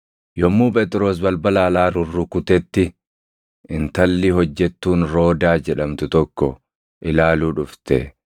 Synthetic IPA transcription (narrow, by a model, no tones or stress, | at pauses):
jɔmːuːpʼɛːt̪ʼɪɾoːs̬bɐlbɐlaːlaːɾʊrːʊkʊt̪ɛt̪ːɪ | ʔɪnt̪ɐlːɪɦɔd͡ʒːɛt̪ːuːnɾo̞ːd̪aːd͡ʒɛᶑɐmt̪ʊt̪ɔkːɔ | ʔɪlaːluːᶑʊft̪ɛ̰